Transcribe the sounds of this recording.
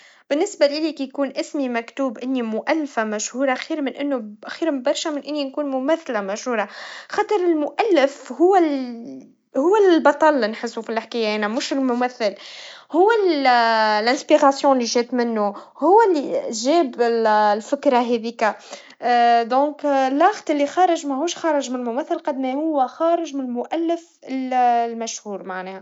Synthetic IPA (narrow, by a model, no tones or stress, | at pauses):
b̥ɪnːɪsbalɪliːkijkuːnʔɪsmimækt̪uːbʔɪnːimʊʔælːfamæʃhuːɾˤaʔxiːɾmɪnʔɪnːuxiːɾbɑɾˤʃamɪnʔɪnːinkuːnmʊmæθːlamæʃhuːɾˤɑxɑt̪ˤəɾˤɪlmʊʔælːɪfhʊwː | hʊwːæbɑt̪ˤɑlnħɪsːufilħkiːjːaʔænæmʊʃɪlmʊmæθːɪlhʊwːæl | lʔæ̃spiɣɑsjɔ̃lːiʒɛːt̪mɪnːuhʊwːælːiʒɛːbɪllfɪkɾˤɑɦɛðiːkæ | d̪ɔ̃ːklːɑxt̪ˤɪlːixɑːɾˤɪʒmɛhuːʃxɑːɾˤɑʒmɪnlmʊmæθːəlqɑd̪mihʊwːæxɑːɾɪʒmɪnlmʊʔælːɪf | ɪllmæʃhuːɾmaʕnɛːhæ